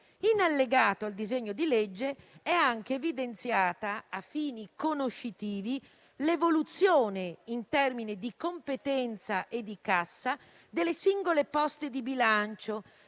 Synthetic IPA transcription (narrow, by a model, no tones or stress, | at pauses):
inalːeɡaːt̪oald̪izeɲːod̪iled͡ʒːeɛaŋk̟eːvid̪ent̪sjaːt̪aːfːiːnikonoʃːit̪iːvi | levolut̪sːjoːneint̪ɛrminid̪ikompet̪ɛnt̪saʔed̪ːikasːa | d̪elːesiŋɡolepɔst̪ed̪ibilant͡ʃo